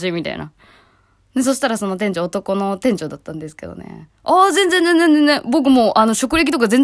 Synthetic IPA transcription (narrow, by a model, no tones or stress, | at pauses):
ɕiːmʲit̪a̰ḭna̰ | ne̞s̬o̞ɕi̥t̪aɾaso̞no̞t̪ẽɲ̟d͡ʑoːt̪o̞ko̞no̞t̪ẽ̞ɲd͡ʑo̞ːd̪at̪ːãnd̪esɨ̥ke̞d̪o̰nḛ | azẽnzẽnd͡zzẽnzenzenẽbo̞k̬ɯ̟moːʔano̞ɕo̞kɯ̟ɾʲe̞k̬ʲi̥t̪okazẽ̞n